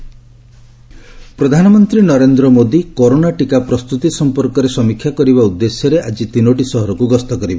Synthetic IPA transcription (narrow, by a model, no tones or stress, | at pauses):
pɾɔd̪ʱanɔmɔnt̪ɾinɔɾend̪ɾɔmod̪ikoɾonaʈikapɾɔst̪ut̪isɔmpɔɾkɔɾesɔmikʰjakɔɾibaud̪ːesjɔɾeʔad͡ʒit̪inoʈisɔɦɔɾɔkuɡɔst̪ɔkɔɾibɔ